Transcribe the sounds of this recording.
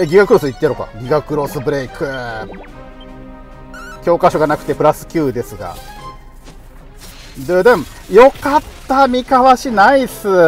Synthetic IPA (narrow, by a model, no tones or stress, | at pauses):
eɡʲiɡakɯɾo̞sɨit̪ːeɾoka̰ɡʲiɡakɯ̟ɾo̞sɨbɯ̟ɾe̞ikʰɯ | kʲo̞ːkaɕo̞ɡanakɯ̟̥t̪e̞pɯ̟ɾasɨ̥kʲɨːd̪e̞sɨɡa̰ | d̪ɯd̪ɯ̃m | jo̞kat̪ːamʲikaβaɕinaisɨ